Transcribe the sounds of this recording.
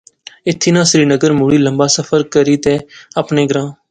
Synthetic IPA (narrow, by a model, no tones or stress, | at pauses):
ɪt̪ʰːiːnãːsəɾiːnəɡəɾmuːɽiːləmbaːsəfʰəɾkəɾiːt̪eːəpneːɡɾãː